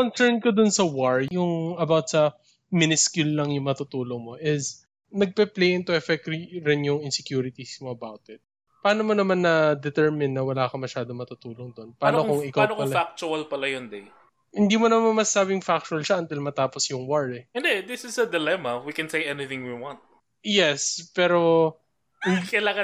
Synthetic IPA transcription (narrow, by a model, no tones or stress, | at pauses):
konsɛɹnkod̪onsɐwaɹjʊŋɐbawt̪̚sɐ | mɪnɪskjʊlːɐŋjʊŋmɐt̪uːt̪uːloŋmo̞ʔɪs | nɐɡ̚pɛplejʔɛnt̪oʔɛfɛk̚tɾiɾɪnjʊŋɪnsɛkjuːɾɪt̪ismoʔɐbawt̪ɪt̪̚ | pɐaːnomonɐmanːɐd̪ɛt̪ɛɹmɪnːɐwɐlaːkɐmɐʃaːd̪omɐt̪ut̪uːloŋd̪o̞npɐaːnokoŋɪkawnoɐlɐfak̚t͡ʃʊɐlpɐlɐjond̪ɛj | hɪnd̪iːmonɐmanmɐsaːbɪŋfak̚t͡ʃʊɐlʃɐʔɐnt̪ɪlmɐt̪aːposjʊŋwaɹɛʔɛnd̪ɛd̪ɪsɪsɐd̪ɛlɛmɐwikɛ̃nsejɛniθɪ̃ŋwiwɑ̃nt̪̚ | jɛspɛːɾo̞ | hɪnkɐlaŋɐ